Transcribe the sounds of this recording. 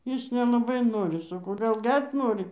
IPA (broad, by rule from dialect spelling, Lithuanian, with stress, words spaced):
ˈjɪs nʲɛlˠɐˈbɐɪ ˈnoːrʲɪ sɐˈkɐʊ ɡɐlˠ ˈɡʲɛrʲtʲ ˈnoːrʲɪ